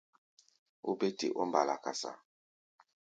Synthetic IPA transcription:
o˦be˦tḛ˨ʔɔ˦m˦ba˨la˨ka˨sa̰˨

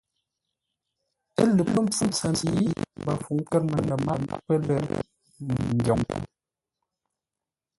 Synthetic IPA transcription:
ə˦lə˨pə˦m̩˦p͡fu˦t͡sa˨ni˨ji˦ba˨fu˨ŋ̩˦kɛ˦t̚mə˨nə˨ma̰˨˦pə˦lə˦˨ | ŋ̩˨ɡjɔ˨ŋ˨

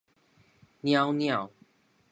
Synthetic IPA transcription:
nja˦ʊnja˥˨ʊ

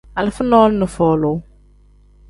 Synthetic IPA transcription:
a˨lɪ˨fʊ˦nɔː˦lnə˨fɔː˨lʊ˨˦

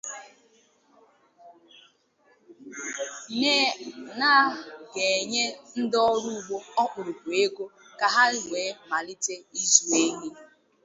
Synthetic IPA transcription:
meː˦na˦˨ɡe˨e˨ɲe˦n̩˦dɔ˦ɾu˦ɡ͡bo˦ɔ˦k͡pʊ˨ɾʊ˨ku˨e˦ɡo˦ | ka˨ɦa˦ɾɪ˨ŋʷeː˨˦ma˨lɪ˦te˦i˦zu˨e˦ɲi˦

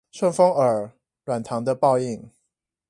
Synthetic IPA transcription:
ʂwə˥˩nfo˥ŋə˞˨˩ | lwa˨˩nt̪ʰɑ˧˥ŋd̪ə˧pɑ˥˧ʊi˥˩ŋ

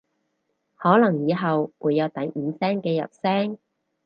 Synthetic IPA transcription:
hɔː˨˥lɐ˨˩ŋjiː˨˧ɦɐ˨wwuː˨˧jːɐ˨˧wt̪ɐ˨˥jm̩˨˧sɛː˥ŋkɛː˧jɐ̰˨t̚sɛː˥ŋ

